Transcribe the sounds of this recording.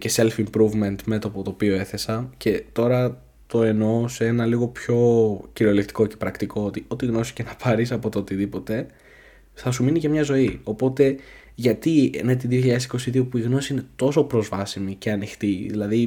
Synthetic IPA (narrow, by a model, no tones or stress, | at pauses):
ce̞se̞lfimpɾuvme̞nt̪me̞t̪o̞pot̪o̞pio̞e̞θe̞sɐce̞t̪o̞ɾɐ | t̪o̞e̞no̞see̞nɐliɣo̞pço̞ciɾo̞lekt̪i̥ko̞cepɾɐkt̪iko̞ot̪io̞t̪iɣno̞si̥cenɐpʰɐɾisɐpo̞t̪oot̪iðipo̞t̪e̞ | θɐsuminicɐmɲɐzo̞io̞po̞t̪e̞ | ʝɐt̪ienet̪iðioçiʎɐðesi̥ko̞siðio̞puiɣno̞siine̞t̪o̞so̞pɾo̞zvɐsimice̞ɐnixt̪iðilɐði